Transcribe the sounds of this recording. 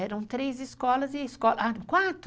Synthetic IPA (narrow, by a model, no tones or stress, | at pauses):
ɛɾɐ̃w̃t̪ɾezɪskɔlɐzɪskɔlakwat̪ɾ